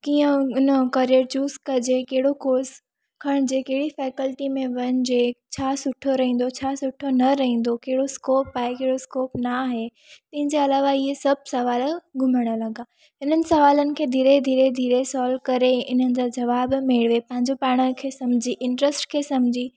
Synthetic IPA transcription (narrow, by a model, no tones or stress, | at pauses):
kiːə̃ʊnəkɐɾiəɾt͡ɕuːskɐd͡ʑekɐɦɪɽokoːs | kʰɐɽ̃d͡ʑeːkɐɦɪɽifɛːkəlʈimẽʋɐn̆d͡ʑet͡ɕʰaːsʊʈʰoɾɐɦĩːn̆d̪ot͡ɕʰaːsʊʈʰonɐɾɐɦĩːn̆d̪okɐɦɪɽoskoːpːaːɦekeɦɪɽoskoːpnaːɦe | t̪ɐ̃ɦɪ̃ɲd͡ʑeɐlaːʋaɪɦesɐb̚ʱsɐʋaːlɡʱʊməɽ̃ə̆lɐɡaː | ɪnənɪ̆sɐʋaːlənɪ̆kʰeːd̪ʱiːɾed̪ʱiːɾed̪ʱiːɾesɔːlkɐɾeɪnənɪ̆d͡ʑad͡ʑɐʋaːbmeɽʋepɐ̃ɦɪ̃ɲd͡ʑopaːɽ̃əkʰeːsɐmd͡ʑʱiːʔɪ̃ɳʈɾəsʈkʰeːsɐmd͡ʑʱiː